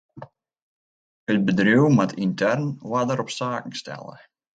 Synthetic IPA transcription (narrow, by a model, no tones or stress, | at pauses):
əd̚bədruwmatʰintʰɛrnwadəɾɔpstaːkŋ̩stʰɛ̰lˠə̰